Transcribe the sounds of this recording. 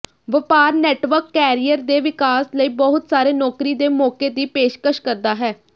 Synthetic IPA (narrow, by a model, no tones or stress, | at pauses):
ʋəpaːɾnɛːʈʋəɾkːɛːɾiːəɾd̪eːʋɪkaːsləiːbɔɦʊt̪saːɾeːnɔːkɾiːd̪eːmɔːkeːd̪iːpeːʃkəʃkəɾd̪aːɦɛː